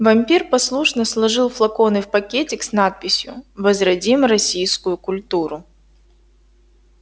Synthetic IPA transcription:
vɐmʲpʲirpɐslˠuʂnəslˠɐʐɨlˠflˠɐko̞nɨfpɐkʲetʲɪksnat̪̚pʲɪsʲjʊ̰vəzɾɐdʲimɾɐsʲijskʊjʊkʊlʲt̪uɾʊ

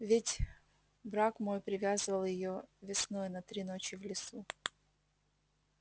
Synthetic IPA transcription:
vʲɪtʲ | bɾakmo̞jpɾʲɪvʲazɨvəlˠjɪjovʲɪsno̞jʊnɐt̪ɾʲinot͡ɕɪvlʲɪsu

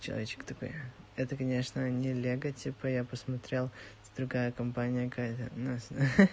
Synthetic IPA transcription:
t͡ɕɪlˠɐ̰vʲet͡ɕɪ̥kt̪ɐko̰jɛt̪əkɐnʲeʂnənʲɪlʲeɡətʲipəjapəsmɐt̪ɾʲelˠ | d̪̥ɾʊɡajəkɐmpanʲɪjəkkajt̪ənas

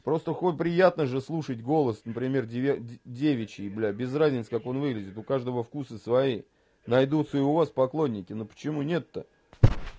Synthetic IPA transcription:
pɾo̞st̪əxopɾʲɪjat̪nəʐɨslˠuʂətʲɡo̞lˠəsnəpɾʲɪmʲe̞rʲdʲevʲɪt͡ɕɪɪblʲabʲɪzrazʲnʲɪt̪sə̥kako̞nvɨɡlʲɪdʲɪt̪ʊkaʐd̪əvəfkusɨsvɐi | nɐjd̪ut̪səɪʊvaspɐklˠo̞nʲːɪkʲɪnopə̥t͡ɕɪmunʲe̞t̪ːə

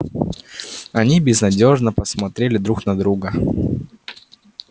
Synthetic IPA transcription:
ɐnʲibʲɪznɐdʲo̞ʐnəpəsmɐt̪ɾʲelʲɪd̪ɾuknɐd̪ɾuɡə

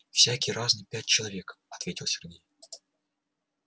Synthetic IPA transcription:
fsʲækʲɪjɾaznɨjpʲæt̚ʲt͡ɕɪlˠɐvʲe̞kɐt̪vʲetʲɪlˠsʲɪrɡʲej

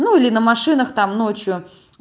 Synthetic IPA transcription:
nuilʲɪnəmɐʂɨnəxt̪amno̞t͡ɕjʊ

